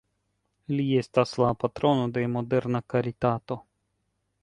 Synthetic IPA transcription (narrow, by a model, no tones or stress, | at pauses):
lie̞staslapat̪ɾo̞no̞de̞mo̞de̞ɾnakaɾitat̪o̞